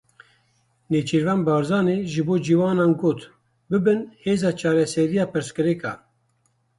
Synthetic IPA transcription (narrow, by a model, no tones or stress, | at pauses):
neːt͡ʃʰiɾvɑːnbɑːɾzɑːneːʒɨboːd͡ʒiwɑːnɑːnɡoːt̪ | bɨbɨnheːzɑːt͡ʃʰɑːɾɛsɛɾijɑːpɨɾskɨɾɛkʰɑ̰ː